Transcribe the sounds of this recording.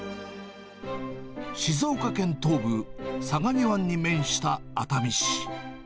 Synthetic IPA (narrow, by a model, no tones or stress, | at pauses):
ɕizo̞ːkakẽ̞nt̪o̞ːbɯ̟saɡaɲ̟iβaɲ̟ːimẽ̞ɰ̃ɕi̥t̪aːt̪amʲiɕi̥